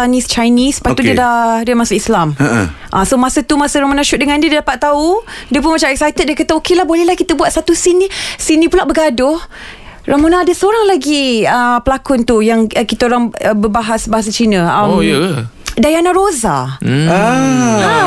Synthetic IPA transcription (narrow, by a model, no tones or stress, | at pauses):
anist͡ʃajnisə̥pat̪udiədadiəmasuislam | ʔasomasat̪umasəɾamonaʃuʔ̚dəŋãndiədiədapat̪ːaudiəp̬ʊnmat͡ʃamɛksajt̪ət̪̚diakat̪aokelahbolɛhlahkit̪əbuat̪sat̪usinisinĩpulaʔbəɡadʊh | ramonaːdəsəoɾaŋlaɡiəpəlakʊnt̪ujaŋkit̪aoɾaŋbəbaɦasbaɦas̬at͡ʃinə̃ə | dajanaɾoza̰ | a